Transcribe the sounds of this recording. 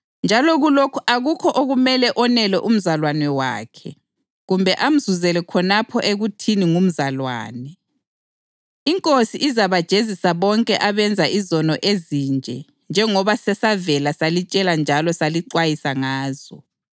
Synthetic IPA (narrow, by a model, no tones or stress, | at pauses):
nd͡ʒʱalɔɣulokʰuʔaɣukʰɔʔoɣumɛlɛʔɔnɛlɛʔum̩zalwanɛwa̰ːkʰɛ | ɣumbʱɛʔam̩zuzɛlɛkʰɔnapʰɔʔeɣutʰiniŋum̩zalwa̰ːnɛ | iŋkʼosiʔizaβad̥ʒ̥ʱezisaβɔŋkʼɛʔaβɛnd͡zʱaʔizɔnɔʔezind͡ʒʱɛ | nd͡ʒʱɛŋɔβasɛsavɛlasalit͡ʃʼɛland͡ʒʱalɔsaliǃwajisaŋaːz̥ɔ̰